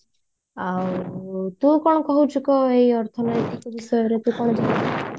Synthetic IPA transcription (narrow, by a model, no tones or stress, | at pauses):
awt̪ũkɔɽ̃ɔkɔɦut͡ʃʰukɔejɔɾt̪ʰɔnɔjt̪ikɔbisɔjɔɾet̪ũkɔɽ̃ɔd͡ʒanaa